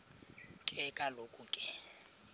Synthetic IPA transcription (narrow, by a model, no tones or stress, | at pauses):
tʼɛkʼalokʼukʼɪ